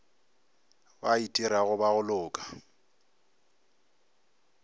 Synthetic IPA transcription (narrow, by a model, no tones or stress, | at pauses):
ba̰itʼiɾaɣʊbaɣʊlʊːkʼḁ